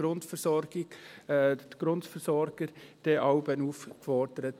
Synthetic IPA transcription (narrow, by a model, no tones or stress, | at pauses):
ɾʊntfəɾsɔɾɡ̥ɪɡ | tɡ̥ɾʊntfəɾsɔɾɡ̥əɾd̥ɛʔɑʊbənuːfkfɔdəɾət